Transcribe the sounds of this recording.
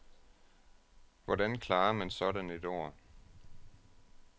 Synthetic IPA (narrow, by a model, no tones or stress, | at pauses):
ʋɒdænkʰlɑ̈ːɐmænsɒ̽ɾæne̝d̥o̝̰ːɐ̰